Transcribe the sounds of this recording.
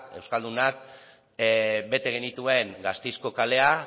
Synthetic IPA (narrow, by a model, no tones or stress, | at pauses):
e̞wskald̪unak | be̞t̪e̞ɣ̞e̞nit̪ue̞ŋɡast̪ejsko̞kale̞a